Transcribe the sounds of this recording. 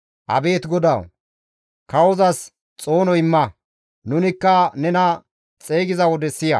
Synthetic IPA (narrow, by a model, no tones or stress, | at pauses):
ʔɐ̰be̞ːt̪ɡɔd̪ɐw | kɐwɔzɐs | t͡sʼo̞ːnɔjɪmːɐ | nʊnɪkːɐnɛnɐ | t͡sʼe̞ːɡɪzɐwɔd̪ɛsːɪjɐ̰